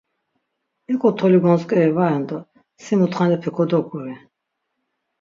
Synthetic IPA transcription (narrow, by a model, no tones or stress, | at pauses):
ɛkʼɔt̪ʰɔliɡɔnskʼɛɛvaɛnd̪ɔ | simut̪χanɛpʰɛkʰɔd̪ɔkʼuvɛ